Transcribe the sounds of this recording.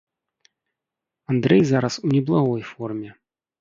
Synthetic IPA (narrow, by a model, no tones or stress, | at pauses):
and̪ɾɛjzaɾɐsuwnʲɛblˠaɣɔjfɔrmʲɛ